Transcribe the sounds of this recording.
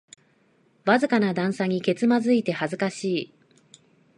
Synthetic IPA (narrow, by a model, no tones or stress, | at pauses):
βazɨkanad̪ãɰ̃saɲ̟ike̞t͡sɨmazɨit̪e̞hazɨkaɕiː